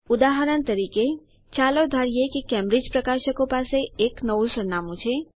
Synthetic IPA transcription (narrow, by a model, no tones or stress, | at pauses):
ʊd̪aɦəɾənt̪əɾike | t͡ʃalod̪ʱaɾijekekɛ̃mɾɪd͡ʒpɾəkaʃəkõpaseeknəʋũsəɾnamũt͡ʃʰe